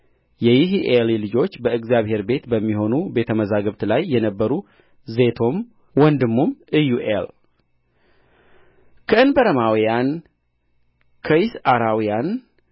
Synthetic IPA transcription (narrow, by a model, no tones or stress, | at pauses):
jɛjɪɦʔellɨd͡ʒo̞t͡ʃːbəɨɡzjaβhe̞ɾbe̞t̪bəmːiho̞nube̞t̪ʰəməzaɡəβt̪lajːɛnəbːəɾu | ze̞t̪ʰo̞m | wɔnd̪ɨmːumɨjuʔel | kʰəɨnbəɾəmawijan | kʰəjisaɾawijan